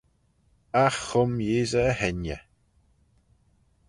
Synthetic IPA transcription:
axːʊmjeːzəːhɛnjə̰

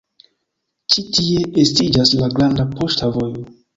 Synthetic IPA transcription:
t͡ʃitie̞estid͡ʒaslaɡɾandapo̞ʃtavo̞jo

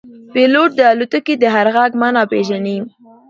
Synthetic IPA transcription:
peloʈ̚d̪əalut̪ukid̪əɦaɾɣaɡmanɑpeʒanim

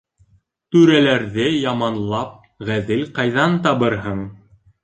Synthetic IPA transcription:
t̪ʉɾælæɾðɘjɑmɑnlˠɑp̚ | ʁæðɘlqɑjðɑnt̪ɑβɤɾɦɤɴ

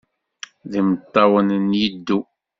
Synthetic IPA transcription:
ðimət̪ˤːɑwənnjəd̪ːu

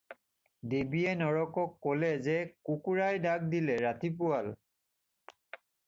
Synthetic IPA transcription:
debiɛnɔɹɔkɔkːolɛzɛkukuɹajdak̚dilɛɹatip̬ʊal

